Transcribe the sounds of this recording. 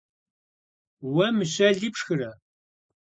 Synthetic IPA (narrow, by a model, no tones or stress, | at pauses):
wɐmɨɕɐɮiːpʂxɨrɐ